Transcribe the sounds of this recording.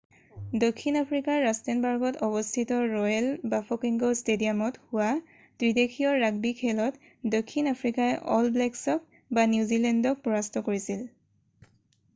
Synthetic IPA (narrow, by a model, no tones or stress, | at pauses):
dokʰːinapʰɹikaɹːastɛnbaɹɡɔtʰɔbɔstʰitɔɹɔjɛlbafʰɔkiŋɡostediamɔthʊwa | tɹidekʰiɔɹaɡ̚bikʰɛlɔt | dokʰːinapʰɹikajʔɔlblɛksɔk̚ | banjuzilɛndɔk̚pɔɹastɔkoɹisil